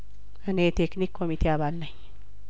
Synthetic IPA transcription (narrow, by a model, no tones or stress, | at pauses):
anet̪eknikʰːomit̪eabalːaj